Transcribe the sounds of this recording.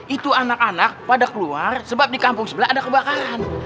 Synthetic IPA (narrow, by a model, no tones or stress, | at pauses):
it̪uanakanak̚padakəluarsəbap̚dikampʊŋsəbəlaʔːdakəbakaan